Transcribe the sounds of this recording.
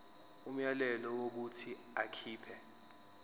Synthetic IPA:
um̩jalɛlɔwok̬utʰi | akʰiːpʰɛ

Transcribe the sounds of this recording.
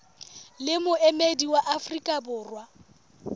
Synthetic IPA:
lɪmʊʔɛmediwaʔafrikʼabʊːrwa

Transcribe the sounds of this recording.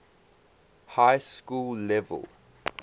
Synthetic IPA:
hajskullɛvə̰lˠ

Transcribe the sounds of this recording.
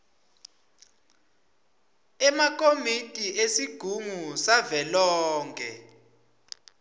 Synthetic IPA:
ɛmak̬ʰʼomitʼiʔesiɡ̥ʱuŋusavɛlɔːŋkʰɛ

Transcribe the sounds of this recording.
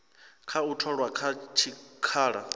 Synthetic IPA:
kʰautʰɔɺwakʰat͡ʃʰikʰaːɺa

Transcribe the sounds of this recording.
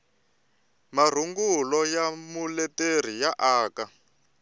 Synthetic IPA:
mar̤uŋɡulɔjamulɛter̤ijaʔaːka

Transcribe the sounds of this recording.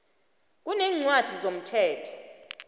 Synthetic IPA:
k̬unɛːŋ͡ǀwad̥ʱizom̩tʰɛːtʰɔ̥

